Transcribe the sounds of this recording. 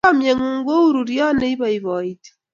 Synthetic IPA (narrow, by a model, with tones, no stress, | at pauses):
a˦mje˨ŋu˨ŋɡo˦u˦ɾu˨ɾjɔ˦ne˦i˦βa˨iβɔ˨ite̥˦